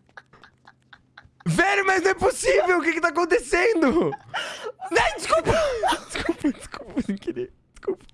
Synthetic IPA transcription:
vɛɾʊmɐzñɛposivewʊkɪkɪt̪akõnt̪esẽnd̪ʊ | nɐ̃d͡ʒ̪ɪskupɐ̃d͡ʒɪskupɐdɪskupsẽkeɾḛ | d͡ʒɪ̥skupɐ̥

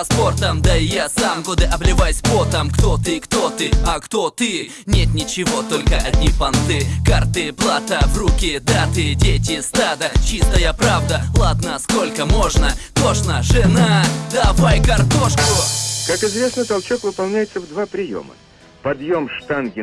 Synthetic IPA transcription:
spo̞rt̪əmd̪ɐɪjasamɡod̪ɨʔɐblʲɪvajsʲpot̪əmkt̪ot̪ɨkt̪o̞t̪ɨɐkt̪o̞t̪ɨ | nʲet̪nʲɪt͡ɕɪvo̞t̪o̞lʲkəʔɐd̪ʲnʲipɐnt̪sɨkart̪ɨplˠat̪əvrukʲɪd̪at̪ɨdʲetʲɪst̪ad̪ət͡ɕist̪əjəpɾavd̪əlˠad̪nəsko̞lʲkəmoʐnət̪o̞ʂnəʐɨnad̪ɐvajkɐrt̪o̞ʂkʊkakɪzvʲe̞snət̪ɐlˠt͡ɕokvɨpɐlˠnʲæjɪt̪səvd̪vapɾʲɪjo̞̰mə̰ | pɐd̪jo̞mʂt̪anɡʲɪ

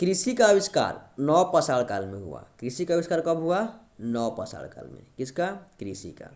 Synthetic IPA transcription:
kɾisikaəbiska̰ɾnɔpəsaɭkalmeɦṵa̰kɾisikaəbiskaɾkʌbɦua | nɔwpəsa̰ɭka̰lmḛkit͡ʃʰkakɾisḭka̰

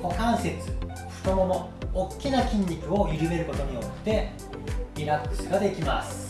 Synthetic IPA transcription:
ko̞kãɰ̃se̞t͡sɨ̥ | ɸɯ̟̥t̪o̞mo̞no̞ː | kʲːinakʲĩɲʲːikɯ̟o̞iɾɯ̟me̞ɾɯ̟ko̞t̪o̞ɲ̟iokɯ̥t̪e̞ | ɾʲiɾakːɯ̟sɨɡad̪e̞kʲimasɨ̥

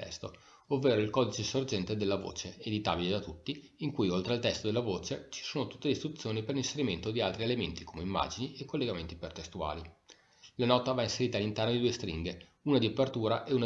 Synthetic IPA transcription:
ɛ̰st̪o | ovːeːɾoilkɔːd̪it͡ʃesord͡ʒɛnt̪ed̪elːavo̰ːt͡ʃeed̪it̪a̰ːbiled̪at̪ut̪ːiiŋkujolt̪ɾealt̪ɛst̪od̪elːavoːt͡ʃet͡ʃi̥soːnot̪u̥t̪ːeist̪ɾut̪sːjoːniperlinseɾiment̪od̪ialt̪ɾielement̪ikʰoːmeimːa̰ːd͡ʒiniekːolːeɡament̪ipert̪est̪ua̰ːli | lanɔːt̪avainseɾiːt̪alːint̪ɛrnod̪id̪uːest̪ɾiŋɡe | uːnad̪iopert̪uːɾaʔeun

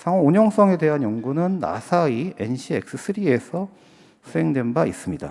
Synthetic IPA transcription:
sʰaŋooɲʌŋs͈ʌŋe̞de̞ɦanjoŋɡunɯnːa̰sʰaie̞̰nɕʰiek̚s͈ɯsʰɯɾie̞sʰʌ | sʰuɦe̞ŋdwe̞nbais͈ɯmɲida̰

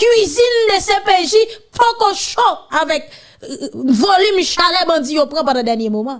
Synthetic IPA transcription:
kwizind̪esɛ̃peʒipokoʃɔ̃avɛk | volymʃalɛbãd͡zijopʁãpãd̪ãd̪ɛʁnjemomã

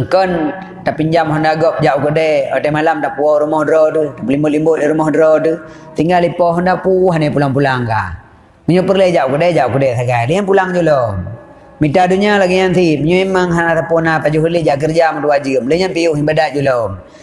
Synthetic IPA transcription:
ŋkɔn | t̪apiɲd͡ʒamɦɔndaɡɔp̚d͡ʒaʔukədɛotemalamtapuɔɾumɔhdɾotutapulimbʊʔlimbuʔdiɾumɔhdɾotu | t̪iŋɡalipɔɦɔndapuɦanepulaŋpulaŋka̰ | məɲupərləd͡ʒaʔukədɛd͡ʒaʔukədɛsaɡajlijanpulaŋd͡ʒulo | mitaduɲalaɡiɲansiməɲuiməŋɦanat̪apunapad͡ʒuɦulid͡ʒaʔk̬ərd͡ʒamatuwad͡ʒimləɲanpijuɦimbadaʔd͡ʒulo

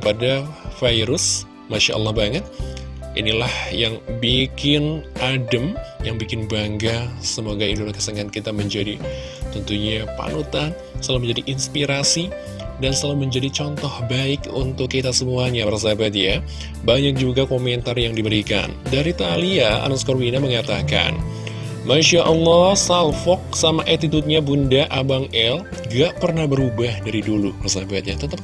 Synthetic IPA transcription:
kəpadafajɾʊs | maʃa̰ʔə̰lːɑhbaŋət̪̚ʔḭnilahjaŋbikɪnʔadəmjaŋbikɪnbaŋɡasəmoɡaidonakəsəŋankit̪aməɲd͡ʒadi | t̪ɔnt̪uɲapa̰nut̪an | səalaməɲd͡ʒadiʔinspiɾasi | dansəalaməɲd͡ʒadit͡ʃɔnt̪ɔhbaɪkṵnt̪ʊkːəit̪asəmuaɲaaɾasabat̪̚ja | baɲak̚d͡ʒuɡakomɛnt̪arjaŋdibəɾika̰ndaɾit̪aliaa̰naskɔrwinaməŋat̪aka̰n | manʃaʔɔlːɔhsalfɔk̚samaʔat̪it̪ut̪̚ɲabundaʔabaŋɛl | ɡaʔpərnahbəɾubahdaɾidulubarsabat̪̚ɲat̪ət̪əp̚

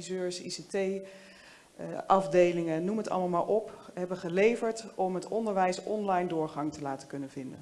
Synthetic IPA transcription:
izøːɹsḭsetej | ʔɑvdejlɪŋənuməɦətɑ̰lˠmalˠmaːɹʔɔpɦɛbəχəlejvəɹtɔmɦətɔndəɹʋɛjsɔnlɑjndʊːɹχɑŋtəlaːtəkɵnənvɪndə̰n

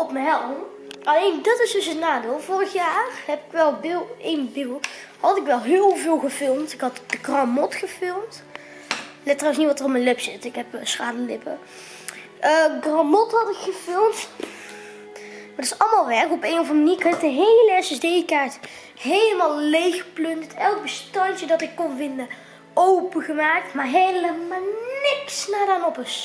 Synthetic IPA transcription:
ɔpməɦɛlˠ | ɑlejndɑtɪsdɵsətnaːdɪːlˠvʊːrəxjaːrɦɛpɪkʋɛlˠbɪlˠʔejnbɪlˠ | hɑtɪkʋɛlˠɦɪːlˠvɪːlˠɣəvɪlˠmtɪkɦɑtd̥əɡrɑmɔtxəfɪlˠmt | lɛtərɑws̬nitʋɑtərɔpmənlɪpsɪtɪkɦɛpːsχaːnəlɪpə | ʔəɡrɑmɔthɑtɪkxəfɪlˠmt | madɪsɑlˠmaːlˠʋɛɹkɔpejnɔfənmniːkɑnɪkdəɦejləɛsɛsdejkaːɹt | ɦejləmaːlˠlejxəplɵnttɛlˠɡ̚bəstɑnt͡ʃədɑtɪkːɔnvɪndə | owpəɣəmaːk̚tmaɹɦelləanɪksnaːdanɔpɪs

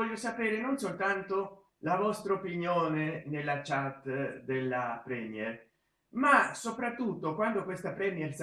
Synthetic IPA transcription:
ɔʎːosapeːɾenonsolt̪ant̪o | lavɔst̪ɾaopinjoːnenelːat͡ʃat̪ːd̪elːapɾɛmjɛr | masopɾat̪ːut̪ːokwand̪okwest̪apɾɛmiɛrs

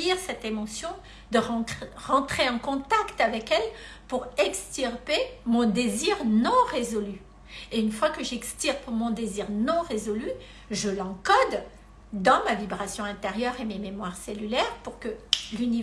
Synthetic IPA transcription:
iʁsɛt̪emɔsjɔ̃ | d̪əʁɑ̃ʁɑ̃t̪χeɑ̃kɔ̃t̪akt̪avɛkɛlpuʁɛkst̪yʁpemɔ̃d̪eziʁnɔ̃ʁezɔly | eynfwakəʒɛkst̪iʁpmɔ̃d̪eziʁnɔ̃ʁezɔly | ʒəlɑ̃kɔd̪ | d̪ɑ̃mavibʁasjɔ̃ɛ̃t̪eʁjœʁemememwaʁselylɛʁpuʁkəlyni

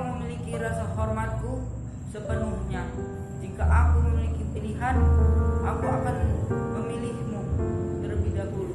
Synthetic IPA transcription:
məmilikiɾasahormat̪̚ku | səpənuhɲa | d͡ʒikaʔakuməmilikipiliɦanʔakuakanməmilihmut̪ərbidabul

